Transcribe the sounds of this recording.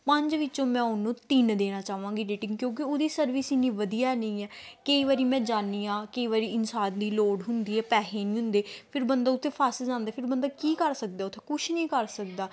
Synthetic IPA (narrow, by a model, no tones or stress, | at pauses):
pə̃ɲd͡ʒʋɪt͡ʃõːmɛ̃ːʊnũːt̪iːnd̪eːnaːt͡ʃaːʋãːŋɡiːɖeːʈɪ̃ŋɡkjõːkɪoːd̪iːsəɾʋiːsinĩːʋəd̪ijaːɛnəĩːɛːkəiːʋaːɾiːmɛ̃ːd͡ʒaːniːãːkəiːʋaːɾiːɪnsaːnd̪iːloːɽɦʊnd̪iːɛːpɛːɦeːnĩːɦʊ̃nd̪eːpʰɪɾbənd̪aːʊt̪ʰːeːpʰaːsd͡ʒãːnd̪eːpʰɪɾbə̃nd̪aːkiːkəɾsək̚d̪ɛːʊt̪ʰːeːkʊʃʰnĩːkəɾsək̚d̪aː